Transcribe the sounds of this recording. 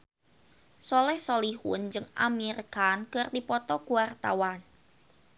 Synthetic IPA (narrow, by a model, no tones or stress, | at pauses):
sɔlɛhsoliɦʊnd͡ʒɨŋa̰mirkankɨrdipɔt̪ɔɡuwart̪a̰wan